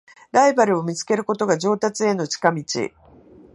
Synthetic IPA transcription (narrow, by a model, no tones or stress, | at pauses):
ɾaibaɾɯ̟o̞mʲit͡sɨ̥ke̞ɾɯ̟ko̞t̪o̞ɡaʑo̞ːt̪at͡sɨe̞no̞t͡ɕi̥kamʲit͡ɕḭ